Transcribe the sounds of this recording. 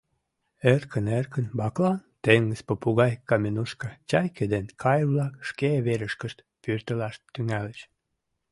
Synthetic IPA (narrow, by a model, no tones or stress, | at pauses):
erkʰənerkənbɑklɑnt̪eŋɡəspəpuɣɑjkɑmʲenuʃkɑt͡ɕɑjked̪enkʰɑjβlɑkʃkeβeɾəʃkəʃt̪ | pyrt̪əlɑʃt̪ːyŋælət͡ɕ